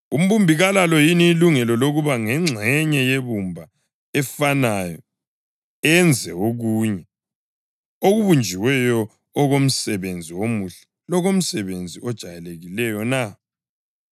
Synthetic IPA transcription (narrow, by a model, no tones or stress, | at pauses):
um̩βumbʱiɣalalɔjiniːluŋɛlɔloɣuβaŋɛŋ͡ǁʱɛɲɛjeβumbʱa | ɛfanajɔ | ɛnd͡zʱɛoɣuːɲɛ | oɣuβund͡ʒʱiwɛjɔː | ɣom̩sɛβend͡zʱiwomuɬɛ̥ | lɔɣom̩sɛβend͡zʱiʔɔd̥ʒ̥ʱajɛleɣilɛjɔna